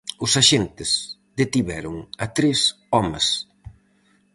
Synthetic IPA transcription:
ʊsaʃent̪ɪsd̪et̪iβɛɾʊŋat̪ɾes | ɔmɐ̰s

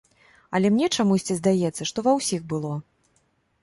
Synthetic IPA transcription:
ɐlʲɛmnʲɛt͡ʂamusʲt͡sʲizd̪ajɛt̪sːɐʂt̪ɔvɐwsʲixbɨlˠɔ

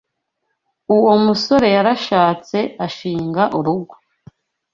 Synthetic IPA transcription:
uwo̞muso̞ɾe̞jaɾaʃaːt͡se̞aʃiːŋɡaʔuɾuɡwḁ

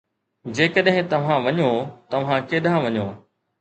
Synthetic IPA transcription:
d͡ʑeːkəɗɦɪ̃t̪ɐʋ̤ãʋɐɲot̪ɐʋ̤ãkeːɗʱãʋɐɲoː

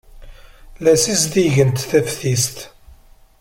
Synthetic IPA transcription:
læsisd̪iʝənt̪θæfθist̪

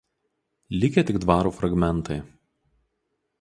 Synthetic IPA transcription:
lʲɪkʲɛt̪ʲɪɡd̪ʋɑːɾuːfɾɐɡmʲɛnˑt̪ɐɪ

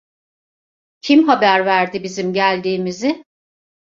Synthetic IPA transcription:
cʰimɦabæɾvæɾd̪ibizimɟælʲd̪iːmizɪ

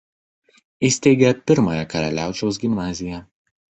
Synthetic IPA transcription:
ɪsʲt̪ʲɛɪɡʲɛpʲɪɾmɐjɛkɐɾɐlʲæˑʊt͡ʃʲɛʊsɡʲɪmnɑːzʲɪjɛ

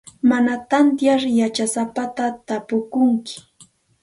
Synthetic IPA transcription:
manat̪ant̪jaɾjat͡ʃasapat̪at̪apʊkʊŋkɪ̥

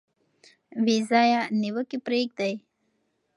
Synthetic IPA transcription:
wizɑjaniwəkipɾeɡ̚d̪aj

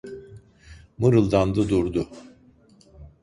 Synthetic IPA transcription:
mɯɾɯlˠd̪and̪ɯd̪uɾd̪ʊ

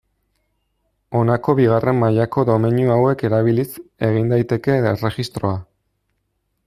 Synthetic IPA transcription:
o̞nako̞βiɣ̞are̞mːaʎako̞ðo̞meɲjuawe̞ke̞ɾaβ̞ilise̞ɣ̞ind̪ajt̪e̞ke̞ere̞ɣist̪ɾo̞a

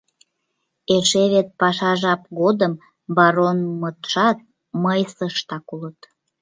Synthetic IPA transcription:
eʃeβet̪̚pɑʃɑʒɑp̚ɣod̪əm | bɑɾonmət̪ʃɑt̪̚ | məjsəʃt̪ɑkulət̪

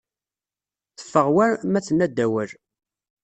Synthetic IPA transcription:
θə̥fːəʁwæmæt͡sːənæd̪ːæwæɾ

